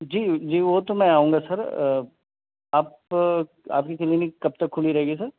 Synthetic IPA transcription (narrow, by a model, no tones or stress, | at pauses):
d͡ʒiːd͡ʒiːʋot̪omɛ̃aːũːŋɡasɐɾə | aːp | a̰ːpkit͡ʃɐlinikɐb̚t̪ɐkʰːʊliɾɐɦeːɡisɐɾ